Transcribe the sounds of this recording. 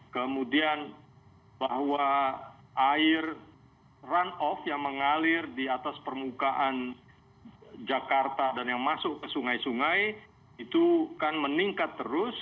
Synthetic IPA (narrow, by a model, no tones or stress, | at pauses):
kəmudian | baɦwa | ʔaɪr | ranɔfjaŋməŋalɪrdiat̪aspərmukaʔan | d͡ʒakart̪adanjaŋmasʊʔkəsuŋajsuŋaj | it̪ukanməniŋkat̪ːəɾʊs